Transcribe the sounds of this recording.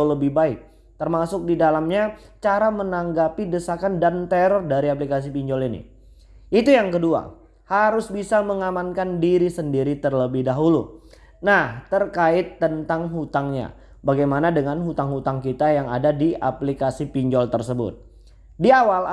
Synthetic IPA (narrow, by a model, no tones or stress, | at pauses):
ləbɪhbaɪk̚ | t̪ərmasʊk̚didalamɲa | t͡ʃaɾamənaŋɡapidəsakandant̪ɛɾɔrdaɾiap̬likas̬ipiɲd͡ʒɔlinḭ | it̪ujaŋkədua̰ | haɾʊsbisaməŋamankandiɾisəndiɾit̪ərləbɪhdaɦulṵ | naht̪ərkaɪt̪ːənt̪aŋɦut̪aŋɲa̰ | baɡajmanadəŋanɦut̪aŋɦut̪aŋkit̪ajaŋa̰dadia̰plikasipiɲd͡ʒɔlt̪ərsəbʊ̰t̪̚ | diawal